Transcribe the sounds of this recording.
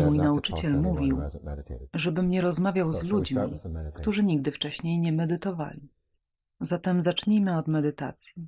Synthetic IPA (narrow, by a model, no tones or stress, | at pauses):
mujnaut͡ʂɘt͡ɕɛlmuvʲiw | ʐɛbɘmɲɛɾɔzmavʲjawzlud͡ʑmʲikt̪uʐɘɲiɡ̚d̪ɘft͡ʂɛɕɲejɲɛmɛd̪ɘt̪ɔva̰lʲi | zat̪ɛmzat͡ʂɲimɘɔd̪mɛd̪ɘt̪a̰t̪sʲji